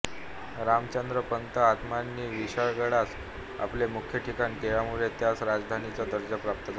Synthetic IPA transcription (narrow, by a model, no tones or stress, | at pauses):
ɾamt͡ɕənd̪ɾəpənt̪əat̪manːiːʋiɕaɭɡəɽat͡s | a̰plemukʰjəʈʰikanikeɭjamuɭet̪jat͡sɾad͡zd̪ʱanit͡sad̪əɾd͡ʑapɾap̚t̪əd͡za